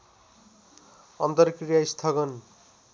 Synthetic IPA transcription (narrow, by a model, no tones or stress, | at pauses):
ʌnt̪ʌɾkrijaist̪ʰaɡʌn